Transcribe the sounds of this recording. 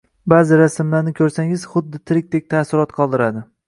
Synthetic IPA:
bazɪɾasɪmlaɾnɪkʲʰɵɾsaŋɪz̥χʊd̪ːɪt̪ʰɪɾɪk̚ʲt̪ek̚ʲt̪ʰasɪɾɒt̪qʰɒlˠd̪ɪɾad̪ɪ

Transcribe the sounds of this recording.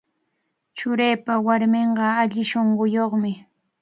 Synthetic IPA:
t͡ʃʊɾejpawaɾmeɴɢɑaʎɪʃoɴɢʊjoχmɪ

